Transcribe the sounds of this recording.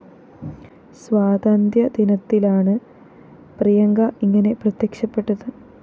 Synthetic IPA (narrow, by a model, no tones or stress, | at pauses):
sʋaːd̪aːnd̪jɐd̪inɐt̪ːilaːɳɨ | prijɐŋɡɐiŋːɐne̞prɐt̪jekʂɐpːe̞ʈːɐðɨ